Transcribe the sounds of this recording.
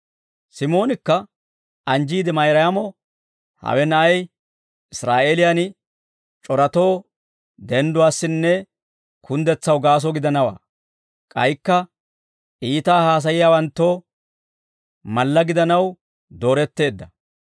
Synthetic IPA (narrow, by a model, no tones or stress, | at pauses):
sɪmo̞ːnɪkːɐ | ʔɐnd͡ʒiːd̪ɪmɐjɾɐjamɔ | hɐ̰wɛnɐʔɐj | ɪsɾaːʔeːlɪjan | t͡ʃʼɔɾɐt̪o̞ː | d̪ɛnd̪ʊwaːsːɪnːɛ | kʰʊnd̪ɛt͡sːɐwɡaːs̬ɔɡɪd̪ɐnɐwa̰ː | kʼɐjkːɐ | iːt̪aːhaːs̬ɐjɪjaːwɐnt̪ːoː | mɐlːɐɡɪd̪ɐnɐw | d̪o̞ːɾɛt̪ːe̞ːd̪ːɐ